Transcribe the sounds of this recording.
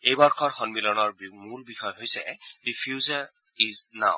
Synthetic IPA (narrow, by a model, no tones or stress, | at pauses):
ejbɔɹkʰɔɹxɔnmilɔnɔɹmulbixɔjɦojsɛ̰dipʰjuzaɹ | izna̰w